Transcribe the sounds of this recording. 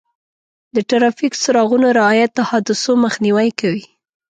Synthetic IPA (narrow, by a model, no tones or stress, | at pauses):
d̪əʈaɾɑfiksaɾɑɣunoɾɪɑjat̪ːahɑd̪ʊsoməxniwajkawi